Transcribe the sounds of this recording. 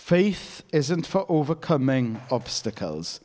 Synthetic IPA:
feɪθɪzə̃ntfəɹʔoːvəkʰəmɪ̃ŋɒb̥stɪkʰə̰lˠz̥

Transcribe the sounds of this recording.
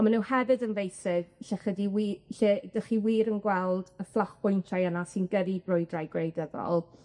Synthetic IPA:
ɔmanunhɛvɨdənvejsɪɡ̥ɬɛχədiwiːɬeːd̥əχiwiːɾənɡwɛlˠdəflˠaχb̥ʊjntʰajənasinɡədibrʊjdrajɡrejdəðɔ̰lˠ

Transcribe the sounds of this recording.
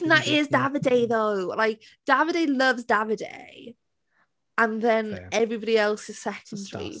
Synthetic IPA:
n̩ðəʔɪzdavədeɪðoʊlaɪk̚ | d̥avədeɪləvzdavədḛɪ | ə̃nðə̃nɛvɹibɔɾiɛlˠsɪz̥sɛkʰə̃ndḭ

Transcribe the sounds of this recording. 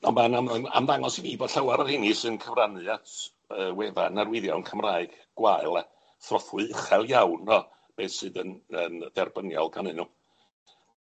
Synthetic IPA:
ɔmanaməna̰mðaŋɔsiviːbɔd̥ɬawaɾərhɪnisɨnkʰəvranɨatʰ | əːwɛva̰narwɪðjɔwənkʰəmraːɨɡ̥ | ɡ̥waɨlˠa | θrɔθwɨχɛlˠjawnɔ | b̥eːθsɨdənənðɛrbənjɔ̰lˠɡanɨnu

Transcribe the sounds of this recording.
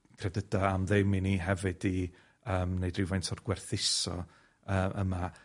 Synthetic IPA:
kʰrɛdədaamðɛminiɦɛvɨdi | əːmnejdrɪvajntʰɔrɡwɛrθɪsɔ̰ | əːʔə̰ma

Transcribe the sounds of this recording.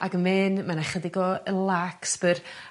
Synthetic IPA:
aɡəmɛnmanaχədɪɡɔəlˠaksb̥ər

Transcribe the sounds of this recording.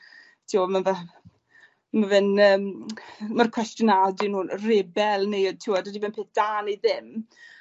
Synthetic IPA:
tʰiɔmava | mavɪnəːmmərkʰw̥ɛstjənadɪnuːrɪbɛlˠnejɔd̚tʰuːɔdədivɪnpʰeːθd̥aːneðɪm

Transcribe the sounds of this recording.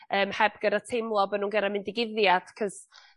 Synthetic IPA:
əːmhɛbɡ̥ədatʰejmlˠɔbənuːnɡəɾamɪndɪɡɪðjad̥kʰɔs

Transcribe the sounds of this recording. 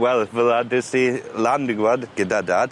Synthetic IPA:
wɛlˠvəðadɪsilˠandɪɡwɔdɡ̥ədadaːd̥

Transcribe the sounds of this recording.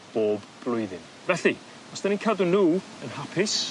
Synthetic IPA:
b̥oːb | b̥lˠʊɨðɪn | vɛɬi | ɔsd̥aninkʰadʊnuː | ənhapʰɪs

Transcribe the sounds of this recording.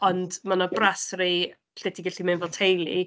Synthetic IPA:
ɔndmanɔbrasri | ɬɛdiɡɛɬimɪnvɔlˠtʰejlˠḭ

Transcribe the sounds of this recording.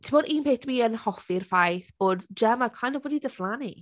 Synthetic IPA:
tʰibɔːdʔiːnpʰeːtʰwiənhɔfɪrfajθb̥oːdd͡ʒɛmakʰwajnɔbɔdidəflˠanḭ

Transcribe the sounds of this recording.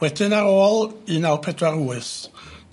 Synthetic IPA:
wɛdɪnaɾoːlˠinawpʰɛdraruːɨs

